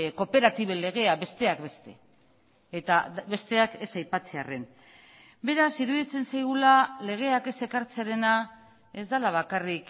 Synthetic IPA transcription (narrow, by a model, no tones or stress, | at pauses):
ko̞pe̞ɾat̪iβ̞ele̞ɣ̞e̞aβe̞st̪e̞akbe̞st̪e̞̰ | et̪aβe̞st̪e̞ake̞sajpat͡se̞are̞n | be̞ɾasiɾuðit͡se̞nsajɣulale̞ɣ̞e̞ake̞se̞kaɾt͡seaɾe̞na | e̞zd̪alaβ̞akarik